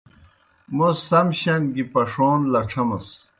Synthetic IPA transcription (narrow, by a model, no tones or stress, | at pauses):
musɐmɕɐnɡipɐʂoːnlɐʈ͡ʂʰɐmɐs